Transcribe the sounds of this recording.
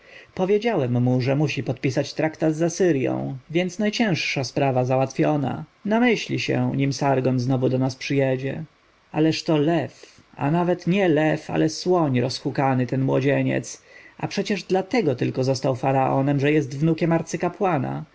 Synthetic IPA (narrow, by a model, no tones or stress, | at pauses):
pɔvʲjed͡ʑawɛmːuʐɛmuɕipɔt̪̚pʲisat͡ɕt̪ɾakt̪ad̪zasɘɾjɔ̰̃w̃vʲjɛnt̪snajt͡ɕɛ̃w̃ʂʂaspɾavazawat̪fʲjɔna̰namɘɕlʲiɕɛ̰ɲimsaɾɡɔnznɔvud̪ɔnaspʂɘjɛd͡ʑɛ | alɛʂt̪ɔlɛf | a̰navɛt̪ɲɛlɛfa̰lɛswɔɲɾɔsxukanɘt̪ɛnmwɔd͡ʑeɲɛ̰t̪sʔapʂɛt͡ɕɛʐd̪lat̪ɛɡɔt̪ɘlkɔzɔst̪awfaɾaʔɔnɛmʐɛjɛst̪vnukʲɛmaɾt̪sɘkapwana̰